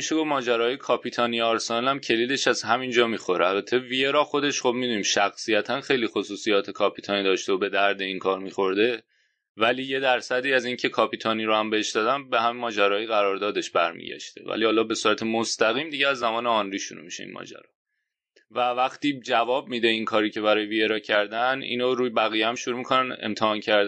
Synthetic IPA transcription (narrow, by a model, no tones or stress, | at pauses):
iʃeɡo̞vmɒːd͡ʒæɾɒːjekʰɒːpʰiːt̪ʰɒːnijɒːɾsenɑlæmcʰe̞liːd̪e̞ʃæzhæmind͡ʒɒːmiːxo̞ɾeælbæt̪ʰevijeɾɒːxo̞d̪e̞ʃχo̞b̚mid̪uːniːmʃæxsijæt̪ʰænxe̞jliːxo̞suːsijɒːt̪ʰe̞kʰɒːpʰiːt̪ʰɒːniːd̪ɒːʃt̪eobe̞d̪æɾd̪e̞inkʰɒːɾmiːxo̞ɾd̪e̞ | væliːje̞d̪æɾsæd̪iːæziːncʰe̞kʰɒːpʰiːt̪ʰɒniːɾohæmbeheʃd̪ɒːd̪ænbehæmimːɒːd͡ʒæɾɒːjiɣæɾɒːɾd̪ɒːd̪e̞ʃbæɾmḭːɟæ̰ʃt̪ʰe̞̰væ̰lihɒːlɒːbe̞suːɾæt̪ʰemost̪æɣiːmd̪iɟeæzːæmɒːneɒnɾiːʃuɾṵmiʃḛḭnmɒ̰ːd͡ʒæ̰ɾɒ̰ː | vævæχt̪iːd͡ʒævɒːb̚miːd̪e̞inkʰɒːɾiːcʰe̞βæɾɒːjevieɾɒːcʰæɾd̪ænḭːnoɾuːjbæɣijeæmʃuɾuːmikʰo̞nænḛmt̪ʰehɒːncʰæɾd̪